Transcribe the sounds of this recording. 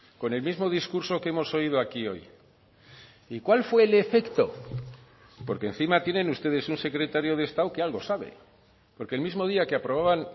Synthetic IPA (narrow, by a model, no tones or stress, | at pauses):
ko̞ne̞lmizmo̞ðiskuɾso̞keemo̞so̞ið̞oakio̞̰j | ikwalfwe̞ːle̞fe̞kt̪o̞̰ | po̞ɾkenθimat̪je̞ne̞nust̪e̞ðe̞sunse̞kɾe̞t̪aɾjo̞ð̞est̪awkealɣo̞saβe̞̰ | po̞ɾkelmizmo̞ð̞iakeapɾo̞β̞aβan